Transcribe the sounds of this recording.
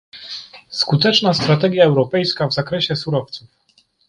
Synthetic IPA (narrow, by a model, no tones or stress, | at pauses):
skut̪ɛt͡ʂnast̪ɾat̪ɛɡʲjaɛwɾɔpɛjskavzakɾɛɕɛsuɾɔft̪suf